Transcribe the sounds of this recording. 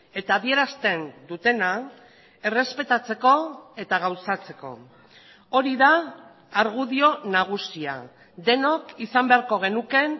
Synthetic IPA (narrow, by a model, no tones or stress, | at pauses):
e̞t̪aːðie̞ɾast̪e̞nd̪ut̪e̞na | e̞re̞spe̞t̪at͡se̞ko̞e̞t̪aɣ̞awsat͡se̞̥ko̞̰ | o̞ɾiðaː | ɾɣuðio̞naɣ̞usia̰ | d̪e̞nokisambe̞aɾko̞ɣ̞e̞nuke̞